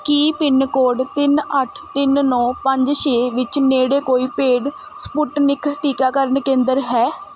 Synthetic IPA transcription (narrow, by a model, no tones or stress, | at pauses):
kiːpɪnkoːɖt̪ɪnəʈʰt̪ɪnnɔ̃ːpəɲd͡ʒʃeːʋɪt͡ʃneːɽeːkoːiːpeːɖ | spʊʈnɪkʰʈiːkaːkəɾəɳkẽːnd̪əɾɦɛː